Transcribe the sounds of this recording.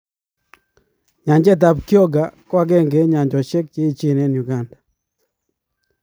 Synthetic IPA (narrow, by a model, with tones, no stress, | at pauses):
ɲa˨ɲd͡ʒɛ˦t̬a˨pkjɔ˦ɡa˨kwa˦ɡɛ˦ŋɡe˨ɲa˨ɲd͡ʒɔ˨t͡ʃe˦k̚t͡ʃe˦i˦t͡ʃe˦˨nɛ˦nju˨ɡa˦˨nda˨